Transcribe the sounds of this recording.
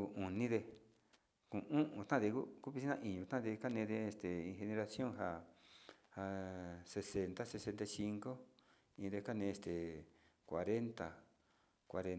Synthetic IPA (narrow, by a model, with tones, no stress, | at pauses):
u˧ũ˨nĩ˦ðe˧ | kũ˨ũ˦ʔũ˧t̪ã˦˧ðe˧ku˦ku˦βi˧si˦nã˦˧ʔĩ˨˧ɲũ˧t̪ã˦˧ðe˧ka˦nẽː˧ðe˧e˧st̪e˨ĩ˧xe˧nẽ˧ɾa˧sjõ˦ŋɦa˧ | ha˧se˧se˧nt̪a˦se˧se˧nt̪a˧jsi˧ŋko˦ | ĩ˧ðe˧ka˦nẽː˧e˧˨st̪e˨kʷa˨ɾe˦nt̪a̰˨ | kʷa˧ɾe˧n